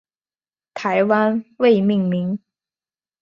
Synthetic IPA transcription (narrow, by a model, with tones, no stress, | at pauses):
t̪ʰa˧˥ɪwa˥nwe˥˧ɪmi˥˩ŋmi˨˥ŋ